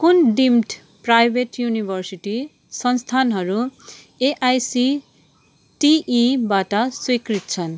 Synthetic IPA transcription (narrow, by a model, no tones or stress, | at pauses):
kunɖimʈ | prajbʱeʈjunibʱʌrsiʈi | sʌnst̪ʰanɦʌɾu | eʔajsi | ʈiːbaʈʌswikrit̪̚t͡sʰʌn